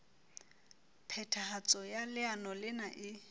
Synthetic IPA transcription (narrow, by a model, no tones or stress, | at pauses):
pʰɛtʰahat͡sʼɔjalɪanɔlɪnaʔɪ